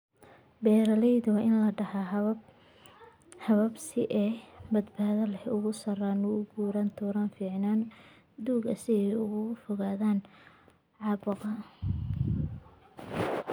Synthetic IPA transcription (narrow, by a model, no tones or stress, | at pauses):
bɛːɾɐlɛjðʊwɐʔɪnlɐɖɐha | hɐβɐbsɪʔɛːbɐd̪baːðɐlɛhʊɣʊsɐraːnʊʊɡuːɾant̪ʰuːɾaːnfiːʕnaːn | d̪uːɡɐsɪjɛjʊɣʊʊfɔɣaːðaːn | ʕɑːbʊqɐ